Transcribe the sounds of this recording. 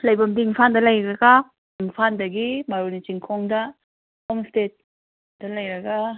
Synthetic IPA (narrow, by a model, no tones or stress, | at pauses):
lajbamdiŋpʰandalajɾaɡa | iŋpʰandɐɡimaɾunit͡ʃiŋkʰɔŋda | ɔmstet̚ | d̥alajɾɐɡa